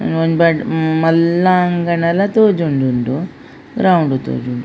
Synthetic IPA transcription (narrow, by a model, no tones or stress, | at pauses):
onbɐʈmɐlːaːŋɡɐnɐlɐt̪oːd͡ʒuɳɖuɳɖu | ɡɾawuɳɖut̪o̰ːd͡ʒuɳɖu